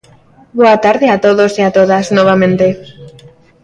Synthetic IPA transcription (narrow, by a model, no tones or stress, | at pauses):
boat̪aɾðeat̪oðosiat̪oðaznɔβ̞amẽnt̪e